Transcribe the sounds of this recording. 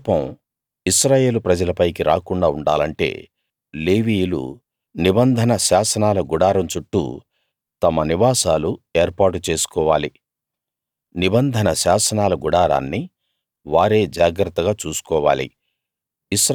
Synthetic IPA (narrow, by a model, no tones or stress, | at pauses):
pɐm | isɾaːje̞ːlupɾɐd͡ʒɐlɐpɐjkiɾaːkuɳɖaːuɳɖaːlɐɳʈe̞̰ː | leːʋiːjulṵ | nibɐnd̪ʱɐnɐʃaːsɐnaːlɐɡuɽaːɾɐmt͡ʃuʈːṵ | t̪ɐmɐniʋaːsaːlue̞ːɾpaːʈut͡ʃe̞ːsu̥kɔːʋaːli | nibɐnd̪ʱɐnɐʃaːsɐnaːlɐɡuɽaːɾa̰ːnːi | ʋaːɾe̞ːd͡ʒaːɡɾɐt̪ːɐɡaːt͡ʃuːsu̥kɔːʋa̰ːlḭ | isɾ